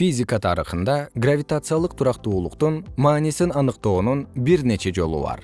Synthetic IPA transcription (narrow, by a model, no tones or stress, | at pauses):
fʲizʲikət̪ʰɑɾɯ̰χɯnd̪ɑɡravʲit̪at̪sɨjalˠɯq̚t̪ʰuɾɑqt̪uːlˠuqt̪unmɑːnisinɑnɯqt̪o̞ːnunbiɾne̞t͡ʃe̞d͡ʒo̞̰lˠṵbɑ̰ɾ